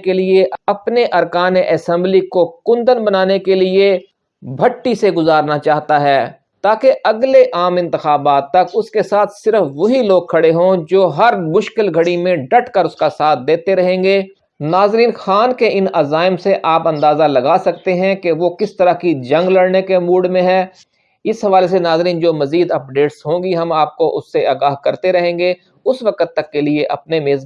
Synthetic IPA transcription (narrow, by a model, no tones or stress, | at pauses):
kelieʔɐpneʔɐɾkaːneʔɐsɛ̃mblikokʊ̃nd̪ənbɐnaːnekelie | bʱɐʈːiseɡʊzaːɾnat͡ʃaːɦt̪aɦɛː | t̪aːkeʔɐɡleʔaːmɪ̃nt̪ɪxaːbaːt̪ːɐkʊskesaːt̪ʰsɪɾəfʋoɦiloːɡ̚kʰːɐɽeɦõd͡ʒoːɦɐɾmʊʃkɪlɡʱɐɽimẽɖɐʈʰkəɾʊskasaːt̪̚ʰd̪eːt̪eɾɐɦẽːŋɡeː | naːzɾiːnxaːnkeʔɪnaːzaːɪmseʔaːpɐ̃nd̪aːzalɐɡaːsɐk̚t̪eɦɛ̃keʋoːkɪst̪ɐɾakid͡ʒɐ̃ŋɡlɐɽnekemuːɖmẽɦɛː | ɪsɦɐʋaːles̬enaːzɾiːnd͡ʒoːmɐziːd̪ɐp̚ɖeːʈsɦõːŋɡiɦɐmaːp̚koʔʊsːeaːɡaːɦkɐɾt̪eɾɐɦẽːŋɡe | ʊsʋɐkət̪ːɐkːelieʔɐpnemeːz